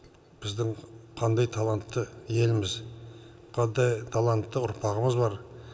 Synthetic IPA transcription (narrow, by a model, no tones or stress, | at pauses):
b̥ɪzd̪ɪŋqʰɑnd̪ɑjt̪ʰalˠant̪ːəje̞lɪmɪz | qʰɑnd̪ɑjt̪ʰalˠant̪ːəʊɾpʰɑʁəməzbɑɾ